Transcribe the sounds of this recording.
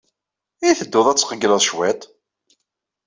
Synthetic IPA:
iθəd̪ːʊðˤæt͡sːqəɡləðˤʃwæt̪

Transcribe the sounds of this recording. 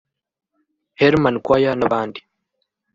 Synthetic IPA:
heɾmankwaːjanaβaːndi̥

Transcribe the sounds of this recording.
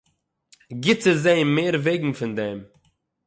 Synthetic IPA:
ɡɪt͡sɪzeɪmeːɾveɪɡŋ̩fɪndɛm

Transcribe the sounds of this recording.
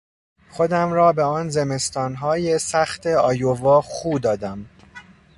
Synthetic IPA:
xo̞d̪æmɾɒːbeɒːnze̞me̞st̪ɒːnɦɒːjesæxt̪ʰeɒːjovɒːxuːd̪ɒːd̪æm

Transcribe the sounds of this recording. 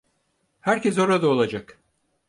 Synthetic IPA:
hæɾces̬o̞ɾad̪aolˠad͡ʒak

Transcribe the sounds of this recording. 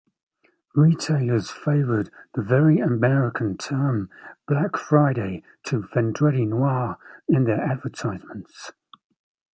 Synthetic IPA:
ɹiːtʰeɪləz̥feɪvəd̪̚ðəvɛɹiəmɛɹɪkʰə̃ntʰɜːmb̥lakfɹaɪɾeɪ | tʰəvɛ̃ndɹɛɾinwɑːɹɪ̃nðəɹadvətʰaɪzmə̃nts

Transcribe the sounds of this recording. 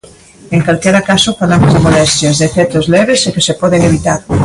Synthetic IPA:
eŋkalkɛɾakasofalamozðemolɛst̪jɐzðefɛt̪ozlɛβesekesepɔðeŋeβit̪aɾ

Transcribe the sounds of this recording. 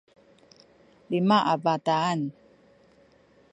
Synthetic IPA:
limaʔabat̪aːn

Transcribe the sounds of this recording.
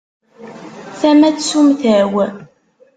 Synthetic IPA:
θæmæt͡ssumθæw

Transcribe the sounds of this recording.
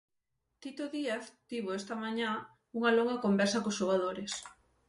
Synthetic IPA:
t̪it̪oðiaθt̪iβoest̪ɐmaɲã | uŋɐloŋɡɐkombɛɾsɐkosʃoɣað̞oɾes

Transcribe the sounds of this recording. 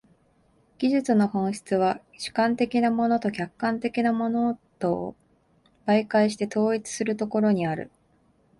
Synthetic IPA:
ɡ̥ʲiʑɨt͡sɨno̞hõ̞ɰ̃ɕi̥t͡sɨβ̞a | ɕɨ̥kãnt̪e̞kʲinamo̞no̞t̪o̞kʲakːãnt̪e̞kʲinamo̞no̞t̪o | b̥aikaiɕi̥t̪e̞t̪o̞ːit͡sɨ̥sɨɾɯ̟t̪o̞ko̞ɾo̞ɲ̟iaɾɯ̟̰

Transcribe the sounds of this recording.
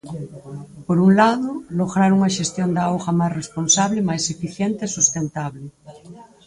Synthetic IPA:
poɾuŋlaðʊloɣɾaɾuŋɐʃest̪jond̪aawɣɐmajsresponsaβlɪmajsefiθjent̪ɪːsust̪ent̪aβlɪ

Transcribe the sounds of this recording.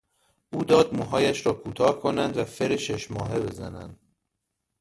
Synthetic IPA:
ʔuːd̪ɒːd̪̚muːɦɒːjæʃɾɒːkʰuːt̪ʰɒːhkʰo̞nænd̪væfeɾeʃeʃmɒːɦe̞be̞zæ̰næ̰nd̪̥

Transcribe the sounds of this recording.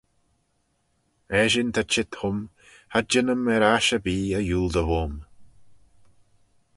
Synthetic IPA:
ɛʒɪnt̪ʰat͡ʃɪt̪hʊm | had͡ʒɪnəmɛɾaʃəbiːəjuːld̪əvom

